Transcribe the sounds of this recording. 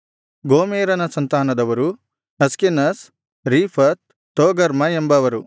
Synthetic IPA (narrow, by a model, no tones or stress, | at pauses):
ɡoːmeːɾɐnɐsɐnt̪aːnɐd̪ɐʋɐɾu | ɦɐskinɐs | ɾiːpʰɐt̪ | t̪oːɡɐɾmɐembɐʋɐɾu